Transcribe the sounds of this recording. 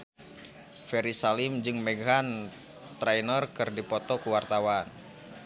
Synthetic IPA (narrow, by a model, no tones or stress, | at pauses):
fɛɾisalimd͡ʒɨŋmɛɡɦan | t̪ɾɛjnərkɨrdipɔt̪ɔkuwart̪awan